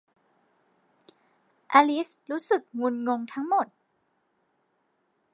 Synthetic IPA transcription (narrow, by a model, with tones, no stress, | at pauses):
ʔa˧li˦˥sɾuː˦˥sɯ˨˩k̚ŋu˧nŋo˧ŋt̪ʰa˦˥ŋmo˨˩t̪̚